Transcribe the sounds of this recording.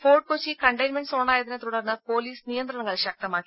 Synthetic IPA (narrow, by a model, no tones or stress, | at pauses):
fo̞ːɖ̚kot͡ɕːikɐɳɖɐjnmeɳɖsoɳːaːjɐðinet̪uɽɐrnːɨpo̞ːliːsnijɐnd̪rɐɳɐŋːɐɭɕɐk̚t̪ɐmaːkːi